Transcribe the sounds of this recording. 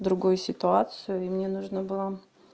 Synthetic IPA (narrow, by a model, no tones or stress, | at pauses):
d̪ɾʊɡojʊsʲɪt̪ʊat̪sɨjʊimnʲenuʐnəbɨlˠa